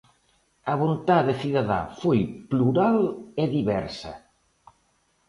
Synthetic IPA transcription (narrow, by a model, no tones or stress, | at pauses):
ɐβont̪aðɪθiðaða̰fojpluɾaleðiβɛɾsɐ̰